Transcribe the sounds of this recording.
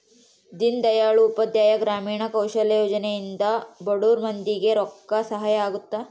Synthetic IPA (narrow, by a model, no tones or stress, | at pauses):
d̪ind̪ɐjaːɭuːpɐd̪jaːjɐɡɾaːmiːɳɐkɐwʃɐlɐjoːd͡ʒɐnejind̪ɐbɐɽuːɾmɐnd̪iɡeɾɔkːɐsɐɦɐjɐaːɡut̪ːɐ